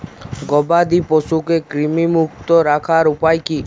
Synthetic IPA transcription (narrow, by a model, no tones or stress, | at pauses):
ɡɔbad̪ipɔsukekɾimimukt̪ɔɾakʰaɾupajki